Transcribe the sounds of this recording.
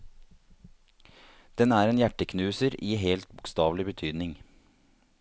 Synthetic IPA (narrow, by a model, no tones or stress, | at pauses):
d̪̥ɛnæːɾeːnjæʈəkʰnʉːsəɾʔiːɦeːlt̪bʊkst̪ɑːʋlɪbət̪ʰyːd̪nɪŋ